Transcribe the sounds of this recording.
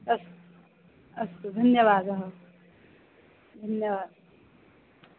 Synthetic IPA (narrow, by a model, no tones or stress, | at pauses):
ɐs | ɐsd̪ʱɐnjɐʋaːd̪ɐɦɐ | d̪ʱɐnjɐʋaːd̪̚